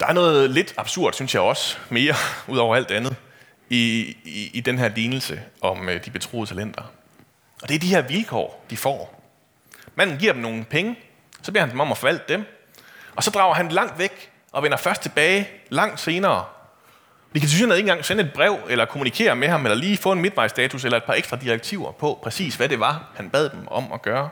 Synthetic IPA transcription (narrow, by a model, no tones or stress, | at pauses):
d̥ɑ̈æɐnɔ̽ːð̩ˠle̝d̥ɑ̈b̥suɐ̰d̥synsjɑ̈ɪɒ̽sme̝ːɐuðˠɒ̰ʊɐæld̥ænð̩ˠ | iː | d̥enɦæɐ̰liːnl̩səɒ̽md̥ib̥e̝t͡sʰʁo̰ːð̩ˠt͡sʰælen̰d̥ɐ | ʔɒ̽d̥e̝ɐd̥ihæɐʋilkʰɒ̰ːd̥ifɒ̰ː | mæn̰n̩ɡiɐd̥emno̝ːn̩pʰeŋə | sɒ̥̽leɐhænd̥emɒ̽mɒfɒ̽ʋæl̰d̥ːem | ʔɒ̽sɒ̽d̥ʁɑ̈ʊ̰ɐɦænd̥elɑ̈ŋ̰d̥ʋeɡ̥ | ʔɒ̽ʋenɐfɶɐsd̥t͡sʰe̝b̥ɛːɪlɑ̈ŋ̰d̥se̝ːnɐː | d̥ikʰæsʰyænæð̩ˠe̝ːnŋɡ̥ɑŋsenəe̝d̥̚b̥ʁɛʊ̰elɐkʰo̝munikʰe̝̰ːɐmehɑ̈melɐliːfɔ̰̽ːe̝nme̝d̥ʋɑ̈ɪ̰sd̥ɛːt͡sʰuselɐe̝d̥pʰɑ̈eɡsd̥ʁɑ̈d̥iʁeɡ̥̚t͡sʰiʊ̰ɐpʰɒ̽pʰʁɛsḭːsʋæɾe̝ʋɑ̈hænb̥ɛð̞̰ˠd̥emɒ̽mɒ̽ɡ̥ɶːɐ